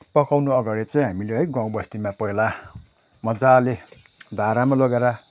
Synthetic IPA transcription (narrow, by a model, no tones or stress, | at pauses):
pʌkawnuʌɡaɽit͡saĩɦamileʌjɡãw̃bʌst̪imapʌɦila | mʌd͡zale | d̪ʱaɾamalʌɡeɾʌ